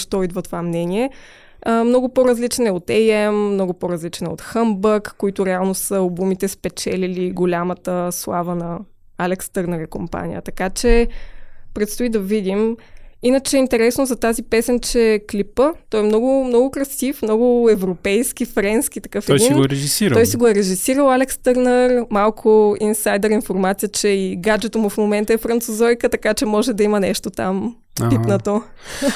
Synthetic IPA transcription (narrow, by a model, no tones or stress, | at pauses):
ʃt̪ɔid̪vɐt̪ovamnɛniɛ | əmnɔɡʊpoɾɐzlit͡ʃnɛot̪ɛjɛmːnɔɡʊpoɾɐzlit͡ʃnɛot̪xəmbəkːoit̪ʊɾɛalˠnosəlˠbumit̪ɛspɛt͡ʃɛliliɡolʲamət̪əslˠavənɐ | alɛkst̪əɾnəɾikompa̰nʲḭjə̰t̪ɐkat͡ʃɛ | pɾɛt̪st̪oid̪ɐvid̪iminət͡ʃɛɛint̪ɛɾɛsnozɐt̪azipɛsɛnt͡ʃɛklipət̪ɔjɛmnɔɡʊmnɔɡʊkɾɐsifmnɔɡʊɛvɾopɛjsk̟ʲifɾɛnsk̟ʲit̪ɐ̥kɤftɛjdinnɡoɛɾɛʒisiɾɔjsiɡoɛɾɛʒisiɾəlˠalɛkst̪ɤɾnəɾmalˠkʰʊinsajd̪ɛɾinfoɾmat̪sijət͡ʃɛiɡad͡ʒɛt̪omʊfmomɛnt̪əɛfɾɐnt̪suzɔjkət̪ɐkat͡ʃɛmɔʒɛd̪ɐimɐnɛʃt̪ot̪a̰m | pinət̪o